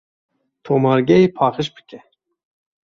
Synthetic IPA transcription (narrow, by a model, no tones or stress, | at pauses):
t̪ʰoːmɑːɾɡʲɛjeːpʰɑːχɨʃbɨ̥kʲɛ